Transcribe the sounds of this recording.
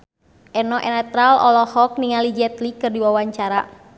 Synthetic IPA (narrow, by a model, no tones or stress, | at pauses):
ʔɛnɔʔɛnɛt̪ɾalɔ̰lɔhɔk̚niŋalid͡ʒɛt̪likɨrdiwawaɲt͡ʃaɾa